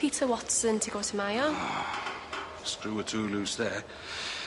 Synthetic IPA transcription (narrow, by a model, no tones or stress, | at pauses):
itʰəwɒtsə̃ntʰəɡoʊtʰəmajə | skɹuːətʰuːluːsðə